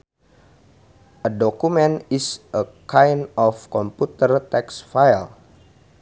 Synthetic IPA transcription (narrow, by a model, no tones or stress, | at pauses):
ʔədɔkumɛ̃nisʔəkajnɔfkɔmput̪ərt̪ɛksfajl